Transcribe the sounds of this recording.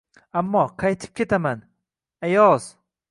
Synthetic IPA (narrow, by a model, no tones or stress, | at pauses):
amːɒqʰɑjt̪ʰɪ̥p̚kʲʰe̞t̪ʰaman | ajɒz̥